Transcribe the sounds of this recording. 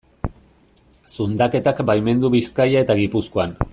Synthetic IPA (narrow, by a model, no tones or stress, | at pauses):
sund̪ake̞t̪akbajme̞nd̪uβiskajae̞t̪aɣipuskoan